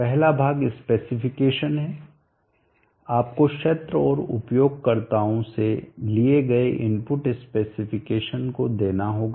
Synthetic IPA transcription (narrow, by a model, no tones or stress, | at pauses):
pɛɦlabʱaːɡɪspeːsɪfɪkeːʃənɦɛ | aːp̚kokʃɐt̪ɾəɔːɾʊ̰pjoːɡ̚kɐɾt̪aːõselieɡɐeʔɪ̃npʊʈɪspeːsɪfʰɪkeːʃənkod̪eːnaɦoːɡaː